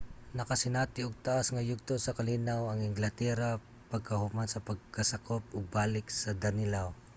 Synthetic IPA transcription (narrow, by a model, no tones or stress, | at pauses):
nɐkɐsɪnaːt̪ɪʊɡ̚t̪ɐʔasŋɐjʊɡ̚t̪osɐkɐliːnawɐŋɪŋɡlɐt̪ɛɾa | pɐɡ̚kɐhumansɐpɐɡ̚kɐsɐkop̚ʊɡ̚baːlɪk̚sɐd̪ɐnɪlaw